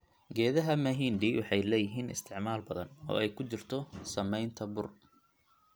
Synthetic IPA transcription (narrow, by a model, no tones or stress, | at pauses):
ɡɛːðɐɦɐmɐɦiːnɖiːwʔɑħɑjlɛːjɪɦiːnɪ̰st̪ʰɪʕmaːlbɐðɐnɔ̰ːɛjkʰʊt͡ʃɪrt̪ʰɔsɐmɛjnt̪ʰɐbʊr